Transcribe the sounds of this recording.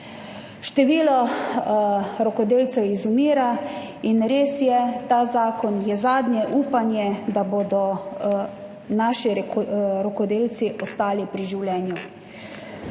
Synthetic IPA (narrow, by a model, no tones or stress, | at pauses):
ʃt̪ɛʋiːlɔ | ɾɔkɔd̪eːlt̪sɛwizumiːɾa | inɾeːsjɛt̪aːzaːkɔnjɛzaːd̪nʲjɛʔuːpanjɛd̪aboːd̪ɔ | naʃiɾɔkɔd̪eːlt̪siʔɔst̪aːlipɾiʒiwlʲɛːnju